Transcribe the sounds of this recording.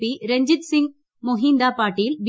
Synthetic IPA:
iɾɛɲd͡ʒɪt̪sɪŋɡ | mɔɦiːnd̪aːpaːʈːijlb

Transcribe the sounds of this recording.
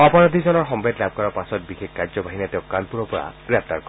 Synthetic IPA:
ɔpɔɹɔd̪ʱizɔnɔɹɦɔmbʱedlab̚ʱkɔɹɔɹpasɔt̚bixekkaɹzɔbʱaɦinɛtẽʊkanpuɹɔpɔɹa̰ɡ̥ɹɛp̚ʰt̪aɹkɔ

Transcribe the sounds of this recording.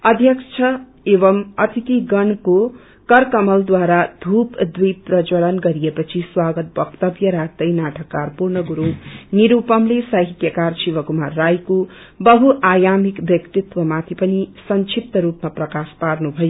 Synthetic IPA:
ʌd̪ʱjʌkt͡sʰʌ | ebʌmʌt̪it̪iɡʌɳko | kʌrkʌmʌld̪waɾad̪ʱupd̪wijprʌt͡ʃʌɽʌnɡʌɾijepʌt͡sʰiswaɡʌt̪̚bʌkt̪ʌbjʌɾat̪ʌjnaʈʰʌkːarpurnʌɡuɾuniɾupʌmlesʌɦit̪jʌkarsiʋʌkumarːajko | bʌɦuʔajamikbjʌkt̪it̪wʌmat̪ʰipʌnisʌnt͡ʃʰip̚t̪ʌɾupmaprʌkasparnubʱʌjo

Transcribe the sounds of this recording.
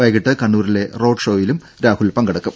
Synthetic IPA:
aːjkːiʈːɨkɐɳːuːrile̞ro̞ːɖʂoːjilum | ɾaːhulpɐŋɡɐɽɐkːum

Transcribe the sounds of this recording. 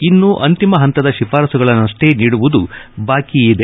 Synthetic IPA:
inːuʔɐnt̪imɐɦɐnt̪ɐd̪ɐʃifaːɾɐsuɡɐɭɐnɐʂʈeniːɽuʋud̪ubaːkiid̪e

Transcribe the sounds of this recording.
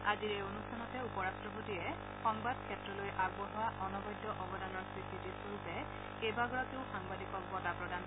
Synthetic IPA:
aziɹeonustʰanɔtɛupɔɹastɹɔpotijɛ | xɔŋbad̚kʰɛtɹɔlojʔaɡbɔɦɔaʔɔnɔbɔjdːɔʔɔbɔdanɔɹsɹisitisoɹupɛ | ejbaɡɔɹakeʊxaŋbadikɔk̚bɔtapɹɔdan

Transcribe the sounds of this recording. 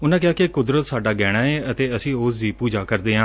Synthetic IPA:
ʊnãːkjaːkekʊd̪ɾət̪saːɖaːɡɛːɽ̃aːeːət̪eːəsĩːoːs̬d̪iːpuːd͡ʒaːkəɾd̪eːɦãː

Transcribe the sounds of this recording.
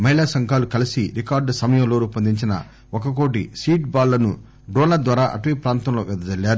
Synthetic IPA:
mɐɦilaːsɐŋkaːlukɐlisiɾikaːɾɖsɐmɐjɐ̃mloːɾupɐnd̪iɲt͡ʃinɐ̰ | ɔkɐk̬oːʈ̬isiːʈbaːlːɐnu | ɖɔːnlɐd̪ʋaːɾaːʔɐ̰ʈʋiːpɾaːnt̪ɐmloːɡɐd̪ɐd͡ʒɐlːaːɾu

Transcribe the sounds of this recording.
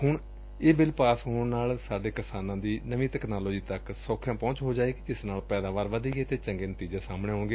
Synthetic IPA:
hʊɳ | eːbɪlpaːsɦʊnaːlsaːɖeːkɪsaːnãːd̪iːnəʋĩːt̪ɛːknaːloːd͡ʒiːt̪əksoːkʰjãːpɔ̃ːt͡ʃɦoːd͡ʒaːeːkid͡ʒɪsnaːlpɛːd̪aːʋaːɾʋəd̪iːɡeːt̪eːt͡ʃəŋɡeːnət̪iːd͡ʒaːsaːmɳeːɦõːŋɡeː

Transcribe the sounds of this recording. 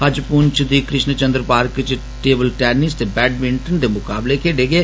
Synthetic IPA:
həd͡ʒpuːnt͡ʃd̪iːkɾɪʃnət͡ʃənd̪ɾəpaːɾkt͡ʃ | ʈeːbəlʈɛːnɪst̪eːbɛːɖʋɪɳʈənd̪eːmʊkaːblekʰeːɖeːɡeː

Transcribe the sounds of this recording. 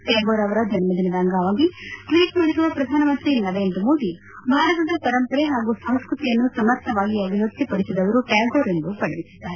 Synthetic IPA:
ʈaːɡoːɾɐʋɐɾɐd͡ʒɐnɐmɐd̪inɐɾaŋɡaːʋaːɡiʈʋiːʈmɐːɽisuʋɐpɾɐd̪ʱaːnɐmɐnt̪ɾinɐʋeːnd̪ɐmoːd̪i | bʱaːɾɐt̪ɐd̪ɐpɐɾɐmpɐɾeɦaːɡusɐw̃skɾut̪ijɐnːusɐmɐɾt̪ʰːɐʋaːɡiɐbʱiɦɐd̪sipɐɽisid̪ɐʋɐɾuʈaːɡoːɾend̪upɐɭɐʋisi̥d̪ːaːɾe

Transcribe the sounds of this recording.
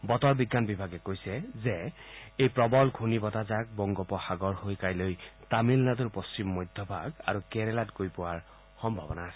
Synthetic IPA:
bɔt̪ɔɹbiɡːanbibʱaɡɛkojsɛzeejpɹɔbɔlɡʱunibɔtazak̚bɔŋɡɔpɔxaɡɔɹhojkajlojtamilnad̪uɹpost͡ɕimːɔjd̪ʱjɔbʱaɡa̰ɹukeɹɛlatɡojpʊwaɹ | xɔmbʱɔbɔnaasɛ

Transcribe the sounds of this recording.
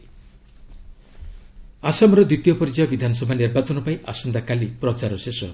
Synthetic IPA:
asamɔɾɔd̪it̪ijɔpɔɾid͡ʒajɔbid̪ʱanɔsɔbʱaniɾbat͡ʃɔnɔpajiʔasɔnd̪akalipɾɔt͡ʃaɾɔsesɔ

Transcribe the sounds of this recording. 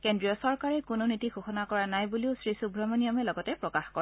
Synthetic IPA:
kendɹijɔsɔɹkaɹɛkʊnonitixuxɔnakɔɹanajbuliʊsɹisubʱɹɔmɔnijɔmɛlɔɡɔtɛpɹɔkaxkɔɹa

